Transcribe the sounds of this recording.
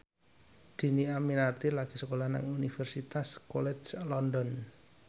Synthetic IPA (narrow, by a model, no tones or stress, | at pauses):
d̪̥i̤niaminart̪ilaɡ̥i̤səkolahna̰ŋunifɛrsit̪askɔlɛt͡ʃlɔndɔn